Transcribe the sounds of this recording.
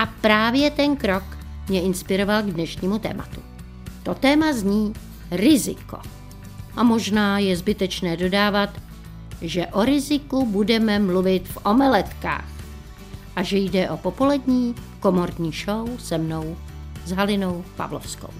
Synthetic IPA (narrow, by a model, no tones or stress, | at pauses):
ʔapɾaːvjɛt̪ɛnkɾo̞kmɲɛɪnspɪɾo̞valɡdnɛʃɲiːmut̪ɛ̰ːmʔa̰t̪u̥ | t̪o̞t̪ɛːmazɲiː | ɾɪzɪ̰ko̰ | ʔamo̞ʒnaːjɛzbɪt̪ɛt͡ʃnɛːdo̞daːvat̪ | ʒɛʔo̞ɾɪzɪkubudɛmɛmluvɪt̪fʔo̞mɛlɛt̪ka̰ːx | ʔaʒɛjdɛʔo̞po̞po̞lɛdɲiːko̞mo̞ɾdɲiːʃowsɛmno̞w | zɦalɪno̞wpa̰vlo̰fsko̞̰w